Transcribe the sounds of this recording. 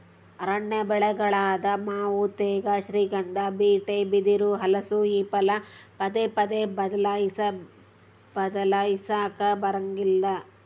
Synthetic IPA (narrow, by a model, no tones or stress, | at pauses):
ɐɾɐɳːebɛɭɛɡɐɭaːd̪ɐmaːʋut̪eːɡaʃɾiːɡɐnd̪ɐbiːʈebid̪iɾuɦɐlɐsuiːpɐlɐpɐd̪epɐd̪ebɐd̪ɐlaːjisɐ | bɐd̪ɐlaisaːkɐbɐɾɐŋɡilːɐ